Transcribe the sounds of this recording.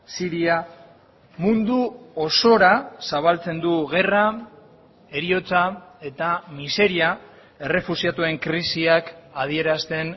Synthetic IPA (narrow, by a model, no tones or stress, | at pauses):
siɾia | mund̪uoso̞ɾasaβ̞alt͡se̞nd̪uɣe̞ra | e̞ɾio̞t͡sae̞t̪amise̞ɾia | e̞re̞fusiat̪ue̞ŋkɾisiakað̞ie̞ɾast̪e̞n